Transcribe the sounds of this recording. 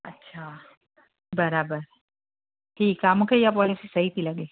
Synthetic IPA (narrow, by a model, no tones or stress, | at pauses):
ɐ̰tːʃʰa | bɐɾaːbəɾ | ʈʰiːkɦaːmukʰejapɔːlisisɐɦit̪ʰilɐɡeː